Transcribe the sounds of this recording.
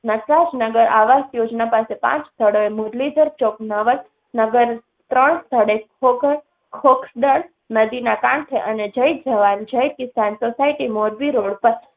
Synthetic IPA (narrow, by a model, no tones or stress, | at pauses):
nəkɾad͡ʒnəɡəɾaʋasjod͡ʒnapasepã̰t͡ʃst̪ʰəɽoemoɾlid̪ʱəɾt͡ʃoknəʋəl | nəɡəɾ | t̪ɾəɳst̪ʰəɽekʰokəɾ | kʰoksɖ̪əɭ | nəd̪inakãɳt̪ʰeʔəned͡ʒəj̚d͡ʒəʋand͡ʒəjkɪsansosaiʈimoɾbiɾoɽpəɾ